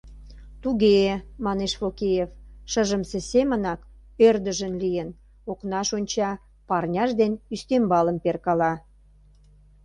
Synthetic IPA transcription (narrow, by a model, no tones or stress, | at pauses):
t̪uɣemɑneʃfokejefʃəʒəmsesemənɑk | ørd̪əʒənlijən | oknɑʃonʲt͡ɕɑ | pɑrnʲɑʒd̪enyst̪embɑləmperkɑlɑ